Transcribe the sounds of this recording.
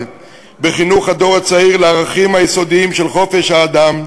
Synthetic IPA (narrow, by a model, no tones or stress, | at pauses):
beχinuχad̪o̞ʁat͡saiʁleaʁaχimhajiso̞d̪iimʃelχo̞fe̞ʃhaːd̪am